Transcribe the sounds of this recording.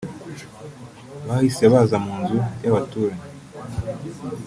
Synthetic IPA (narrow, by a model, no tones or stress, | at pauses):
βahiseβazamuːnzujaβatuːɾaɲi